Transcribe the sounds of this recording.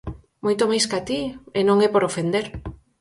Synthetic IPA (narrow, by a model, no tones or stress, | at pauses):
mojt̪omajskat̪ienõŋɛpoɾofend̪eɾ